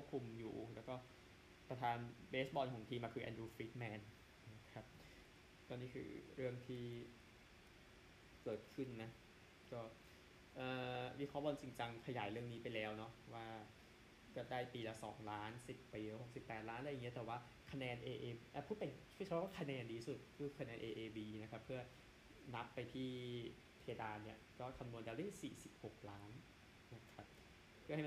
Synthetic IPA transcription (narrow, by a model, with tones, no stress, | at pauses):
kʰu˥˩p̚kʰu˧mjuː˨˩lɛː˦˥wkɔː˥˩ | pɾa˧t̪ʰaː˧nbeː˦˥sbɔː˧nkʰɔː˩˦ŋt̪ʰiː˧maː˧kʰɯː˧ʔɛ̰˧dɾuː˧fɾiː˦˥t̪̚mɛː˨˧n | a˧˩kʰa˦˥p̚ | t̪ɔː˧˩niː˦˥kʰɯ̰ː˧ɾɯ˥˩əŋt̪ʰiː˥˩ | kɤː˨˩t̪̚kʰɯ˥˩nna˦˥ | kɔː˥˩ | ʔɤː˨˩wi˦˥kʰɔː˦˥˩bɔː˧nt͡ɕi˧ŋt͡ɕa˧ŋkʰa˧ja̰ː˩˦jɾɯ˥˩əŋniː˦˥pa˧jlɛː˦˥wnɔ˦˥ʔwaː˥˩ | kɔː˥˩daː˥˩jpiː˧la˨˩sɔ̰ː˩˦ŋlaː˦˥nsi˨˩pːiː˧˩ho˨˩k̚si˨˩pːɛː˨˩t̪̚laː˦˥nʔa˧˩jːŋi˦˥ɐt̪ɛː˨˩waː˥˩ | kʰa˧nɛː˧nʔeː˧ʔeː˧ʔaː˧˩pʰuː˥˩t̪̚pe˨˧nʰ˥˩t͡ɕʰa˦˥waː˥˩kʰa˧nɛː˧ndiː˧su˨˩t̪̚kʰɯː˧˩kʰa˧nɛː˧nʔeː˧ʔeː˧biː˧na˦˥kʰa˦˥pʰːɯ˥˩ɐ | na˦˥pːa˧jt̪ʰiː˥˩ | t̪ʰeː˧daː˧nːi˥˩ɐkɔː˥˩kʰa˧mmu˧ndaː˧˩lda˥˩siː˨˩si˨˩p̚ho˨˩k̚laː˦˥nː | a˦˥kʰa˦˥p̚ | pʰɯ˥˩ha˥˩